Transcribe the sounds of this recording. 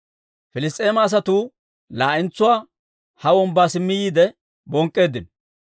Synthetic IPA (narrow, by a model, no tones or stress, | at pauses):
fɪlɪs̬t̪ʼːe̞ːmaːs̬ɐt̪uː | laːʔɪnt͡sːʊwaː | hɐwɔmbaːsɪmːɪjiːd̪ɛ | bɔŋkʼːe̞ːd̪ːɪn